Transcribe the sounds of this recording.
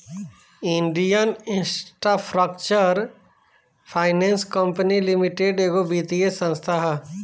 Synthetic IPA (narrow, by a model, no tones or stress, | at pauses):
ɪ̃ɳɖijənɪ̃nsʈɾapʰɾək̚t͡ʃəɾ | pʰaːɪnẽːnskəmpənilimiʈeɖeːɡobiːt̪iesə̃nst̪ʰaɦ